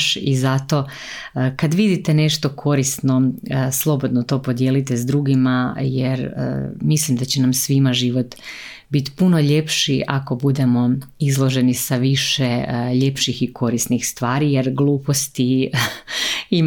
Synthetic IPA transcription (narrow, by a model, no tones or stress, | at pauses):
ʃizat̪o̞ | kad̪ʋid̪it̪e̞ne̞ʃt̪o̞kʰo̞ɾisno̞slˠo̞bo̞d̪not̪o̞ːpo̞d̪jeːlit̪ezd̪ɾuɡimajeɾ̰mislimd̪at͡ɕenamsʋimaʒiʋo̞t̪ | bit̪i̥puno̞ʎe̞pʃiʔako̞bud̪e̞mo̞izlˠo̞ʒe̞nisaʋiʃeʎe̞pʃixiko̞ɾisnixst̪ʋaːɾijeɾɡlˠuːpo̞st̪i | im